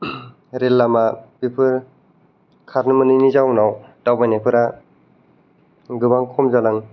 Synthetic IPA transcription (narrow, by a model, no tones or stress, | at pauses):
ɾelːamabipʰɯɾ | kʰaɾnɯmɯninizawnawd̥awbajnapʰɯɾa | ɡɯbaŋkʰɔmzalaŋ